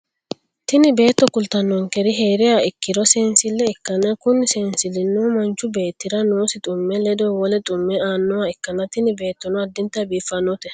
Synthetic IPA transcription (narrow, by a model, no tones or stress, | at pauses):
t̪ɪnɪbe̞ːt̪ːɔkʊlt̪ɐnːɔŋkɛɾɪɦeːɾɪjaːɪkːɪd̪ɔseːnsɪlːɛɪkːɐnɐkʊnseːnsɪlɪnːuːmɐnt͡ʃːʊbe̞ːt̪ːɪɾɐnoːsɪt̪ʼʊmːɛlɛd̪oːwɔlɛt̪ʼʊmːɛaːnːɔwaɪkːɐnɐt̪ɪnɪbe̞ːt̪ːɔnɔɐd̪ːɪnt̪ːɐbiːfːɐnːɔt̪ɛ